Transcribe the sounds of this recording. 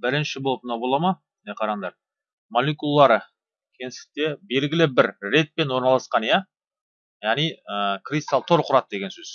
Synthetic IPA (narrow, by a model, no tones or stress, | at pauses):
bɪɾɪnʃɪbolˠəpmnɑbo̞lˠɑmɑ | neqʰɑɾɑɑnd̪ɑɾ | molʲˠekulˠɑːɑɾə | kʲʰe̞nɪsɪ̥k̚t̪e̞be̞lɡʲɪlɪbɪɾːe̞t̪̚pe̞nwo̞ɾnɑlˠɑsqɑnja | jaʁnijəkrʲist̪alˠt̪ʰo̞ɾqʰʊɾɑt̪̚d̪e̞ɡʲe̞nsɵz